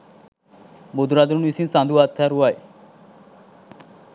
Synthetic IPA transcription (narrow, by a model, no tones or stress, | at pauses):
bod̪ɾaːd̪əɾnisĩnsãːnd̪uːaːt̪ʰːɛːɾuaːḛː